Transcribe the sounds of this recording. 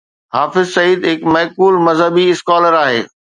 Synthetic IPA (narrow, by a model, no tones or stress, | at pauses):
ɦaːfɪzsɐiːd̪ɦɪkmɐːkuːlmɐzɦəbiɪskaːləɾaːɦḛː